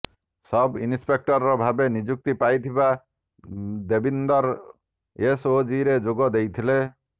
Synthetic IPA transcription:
sɔbinspek̚ʈɔɾɾɔbʱabenid͡ʒuk̚t̪ipajt̪ʰiba | d̪ebind̪ɔɾ | esod͡ʒiɾed͡ʒoɡɔd̪ejt̪ʰile

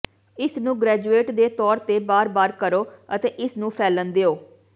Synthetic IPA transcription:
ɪsnũːɡɾɛːd͡ʒueːʈd̪eːt̪ɔːɾt̪eːbaːɾbaːɾkəɾoːət̪eːʔɪsnũːpʰɛːlənd̪eːoː

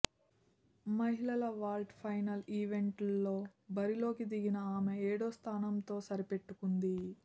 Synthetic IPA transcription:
mɐɦilɐlɐʋaːlʈpʰɐjnɐliːʋe̞ɳʈːo̞ːbɐɾilo̞ːkid̪iɡinɐaːmeeːɽo̞ːst̪ʰaːnɐmt̪o̞ːsɐɾipe̞ʈːukund̪i

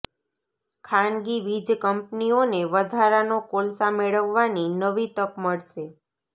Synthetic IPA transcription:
kʰanɡiʋid͡ʒkəmpnioneʋəd̪ʱaɾanokolsameɭəʋːaninəʋit̪əkməɭʃe

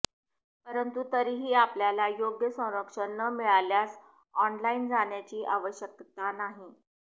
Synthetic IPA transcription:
pəɾənt̪ut̪əɾiːɦiːapljalajoɡjəsə̃w̃ɾəkʂəɳːəmiɭaljas | ɔnlaind͡zaɳjat͡ɕiːʔaʋəɕjəkt̪anaɦi

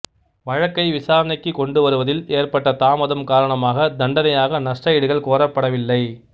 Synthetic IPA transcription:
ʋɐɻɐkːɐɪʋɪsaːɾɐnɐɪkːɯkɔɳɖɯʋɐɾɯʋɐðɪleːrpɐʈːɐt̪aːmɐðɐmkaːɾɐɳɐmaːɣɐd̪ɐɳɖɐnɐjaːɣɐnɐʂʈɐjɪɽɯɣɐɭkoːɾɐpːɐɽɐʋɪlːɐɪ

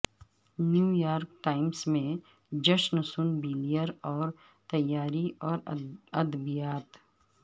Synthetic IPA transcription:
njuːjaːɾkʈaːɪmsmẽ | d͡ʒɐʃnsʊnbiːlijəɾɔːɾ | t̪ɐjaːɾiʔɔːɾɐd̪bijaːt̪

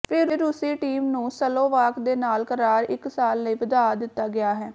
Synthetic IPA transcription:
pʰɪɾɾːʊsiːʈiːmnũːsəlõːʋaːkd̪eːnaːlkəɾaːɾɪksaːlːəiːʋəd̪aːd̪ɪt̪ːaːɡɪaːɦɛː

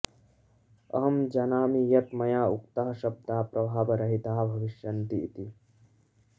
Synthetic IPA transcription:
ɐ̰ɦɐmd͡ʒɐnaːmijɐt̪mɐjaːukt̪ɐɦɐ̆ʃɐb̚d̪aːpɾɐbʱaːbɐɾɐɦit̪aːɐbʱɐʋiʃjɐnt̪iːt̪i

